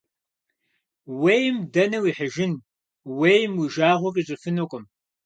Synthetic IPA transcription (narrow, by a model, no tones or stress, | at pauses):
wejmdɐnɐwiːħəʒɪn | wejmwiʒaːʁʷɔkʼiɕʼɪfɨnokʷʼʊm